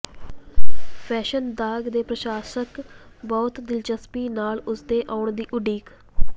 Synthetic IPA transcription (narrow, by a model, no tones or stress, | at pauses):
pʰɛːʃənd̪aːɡd̪eːpɾəʃaːsək | bɔːt̪d̪ɪlt͡ʃəspiːnaːlʊsd̪eːʔaːʊɳd̪iːʔʊɖiːk